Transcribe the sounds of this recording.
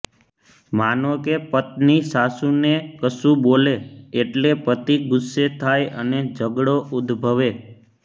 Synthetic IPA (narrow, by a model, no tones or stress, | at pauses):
manõkepət̪̚nisasũnekəsũboleːʈlepət̪iɡʊsːet̪ʰajə̰ned͡ʒəɡɽoud̪bʱəʋe